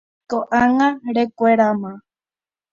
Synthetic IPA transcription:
koʔaŋãɾekʷeɾamã

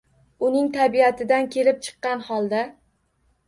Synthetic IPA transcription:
ʊnɪŋt̪ʰabiat̪ʰɪd̪ankʲʰe̞lɪp̚t͡ʃʰɨ̥qːɑnhɒlˠd̪a

